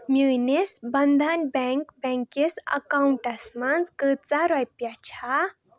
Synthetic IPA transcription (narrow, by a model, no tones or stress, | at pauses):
minesbənd̪ʱanbɛ̃ŋkbɛ̃ŋkesə̰kauɳʈasmanzkət͡saɾajpjat͡ɕʰa